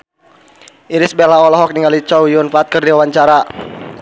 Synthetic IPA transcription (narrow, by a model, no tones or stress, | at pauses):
ʔiɾɪsbelaɔlɔɦɔk̚niŋalit͡ʃɔwjʊnfaːt̪̚kɨrdiwawaɲt͡ʃaɾa